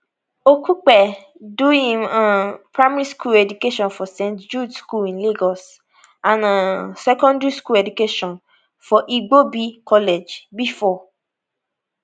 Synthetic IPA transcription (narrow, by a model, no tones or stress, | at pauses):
okuk͡pɛ | dũĩmãpɾamaɾiskulɛdukeʃɔ̃nfɔsẽntd͡ʒudskulĩnliɡɔs | ãnãsɛkɔ̃ndɹiskulɛdukeʃɔ̃n | fɔʔiɡ͡bobikɔled͡ʒbifɔ